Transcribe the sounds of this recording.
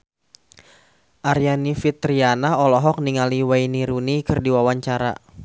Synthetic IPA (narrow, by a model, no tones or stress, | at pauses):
ʔaɾijanifit̪ɾianaɔlɔɦɔk̚niŋaliwajniɾunikɨrdiwawaɲt͡ʃaɾa̰